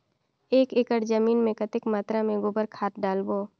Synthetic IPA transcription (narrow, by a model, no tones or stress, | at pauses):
eːkɪkəɾd͡ʒəmiːnmẽkət̪ɪkmaːt̪ɾamẽɡʊbəɾkʰaːt̪̚ɖaːlboː